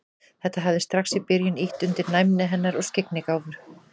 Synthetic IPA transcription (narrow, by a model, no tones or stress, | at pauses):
θɛht̪aɦavðɪst̪ɾaxsipɪɾjɪniht̪ʏnt̪ɪɾnajmnɪɦɛnːaɾɔɣscɪknɪkaːwvʏɾ̥